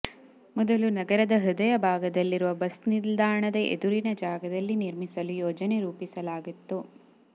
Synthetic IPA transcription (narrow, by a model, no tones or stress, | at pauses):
mɔd̪ɐlunɐɡɐɾɐd̪ɐɦɯd̪ɐjɐbʱaːɡɐd̪ɐlːiɾuʋɐbɐsniɾd̪aːɾɐɳɐd̪ɐʔḛd̪uɾinɐd͡ʒaːɡɐd̪ɐlːiniɾmisɐlujɔːd͡ʒɐneɾuːpisɐlaːɡit̪ːu